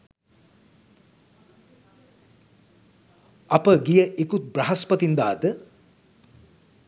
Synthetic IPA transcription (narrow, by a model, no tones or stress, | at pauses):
ɐpəɡijəʔikut̪̚braɦɐspɐt̪ind̪aːd̪ə